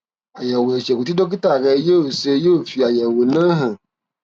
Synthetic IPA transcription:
a˨jɛ˨wo˨e˨ʃɛ˨ku˨t̪i˦do˦k̬i˦ta˨ɡɛ˨˦je˦o˨se˦je˦o˨fi˨a˨jɛ˨wo˨nə̃˦ɦə̃˨

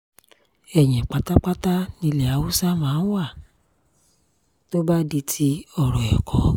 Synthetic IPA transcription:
ɛ˨ɲ̃ɛ̃˨k͡pa˨ta˦k͡pa˦ta˦nĩ˧lɛ˨a˨˦wu˦sa˦mãː˨˦wa˦˨ | to˦ba˦di˧tʰi˧ɔ˦˨ɾɔ˨ɛ̰˨kʰɔ˨˦

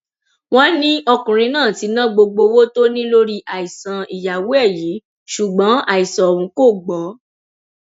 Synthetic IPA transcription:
w̃ɔ̃˦nĩ˦ɔ˧kũ˨ɾ̃ĩ˧nãː˦˨ti˨˧˦nã˦ɡ͡bo˧ɡ͡bo˧wo˦to˦nĩ˦lo˦ɾi˦ʔa˨i˨sã˨i˨ja˨we˨˦ɛ˦˨ji˨˦ | ʃu˨ɡ͡bɔ̃˨˦a˦˨i˨sã˨ɔ˨ũ˧˦ko˦˨ɡ͡bɔ˨˦

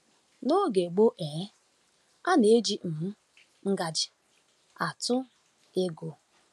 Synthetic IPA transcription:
no˦ɡe˨ɡ͡bo˦ʔe˨˦ | a˦ne˨e˦d͡ʒi˦m̩˨m̩˦ | ŋ̩˦ɡa˨d͡ʒɪ˨ | a˨tʊ˦ | e˦ɡo˨

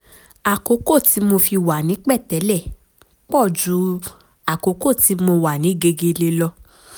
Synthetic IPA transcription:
a˨ko˨˦ko˦˨ti˨˦mo˧fi˧wa˨nĩ˨˦k͡pɛ˦˨tɛ˨˦lɛ˦˨ | k͡pɔ˦˨d͡ʒu˨˦ | a˨ko˨˦ko˦˨ti˨˦mo˧wa˨nĩ˨˦ɡe˧ɡe˧le˧lɔ˧

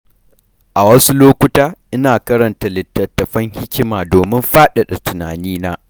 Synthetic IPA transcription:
ʔa˨wɐ˦su˦loː˦kʷʊ˦taː˦ʔɪ˦naː˨kɐ˦ɾɐ˨nta˨lɪ˨tːɐ˨tːɐ˨ɸɐ˦ŋhɪ˦kʲɪ˦maː˨doː˨mɪ˦mɸaː˦ɗɐ˨ɗɐ˨tʊ˨naː˨niː˦naː˦

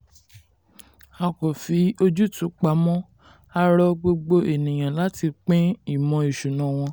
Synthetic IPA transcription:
a˧ko˨fi˨˦o˧d͡ʒu˦tũ˨˦k͡pa˨˦mɔ̃˦ | a˧ɾɔ˦ɡ͡bo˧ɡ͡bo˧e˨nĩ˨j̃ã˨la˨˦ti˧k͡pẽ˦i˦˨mɔ̃˧i˨ʃu˨nã˦w̃ɔ̃˧

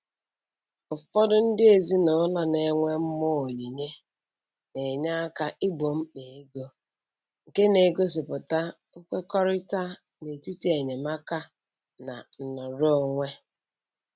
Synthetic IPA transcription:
ʊ˨˦fɔ˦dʊ˦n̩˦dɪ˦e˨zi˦no˨˦la˦ne˨˦ŋʷe˦m̩˦mo˦o˨ɲi˨ɲe˦ | ne˨ɲa˦ka˦ʔi˦ɡ͡bo˨m̩˦k͡pe˨e˦ɡo˦ | ŋ̩˨ke˦ne˨ɡo˦s̬ɪ˨pʊ˨ta˦ | ʊ˦kʷe˦kɔ˦ɾɪ˦ta˦ | ne˨ti˦ti˦e˨ɲe˨ma˦ka˦ | na˨n̩˨nɔ˨ɾo˦o˦˨ŋʷe˦

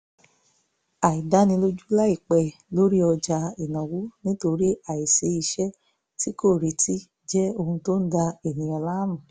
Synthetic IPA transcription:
a˨i˨da˨˦nĩ˧lo˦d͡ʒu˦la˦i˦˨k͡pɛ˦˨lo˨˦ɾi˦ɔ˧d͡ʒa˧i˨nã˨wu˨˦nĩ˦to˧ɾi˦a˨i˨se˧˦i˧ʃɛ˦ | ti˦ko˦˨ɾi˨ti˦ | d͡ʒɛ˦o˧hũ˧to˦n̩˦da˧e˨nĩ˨˦ɔ˧la˦mũ˦˨

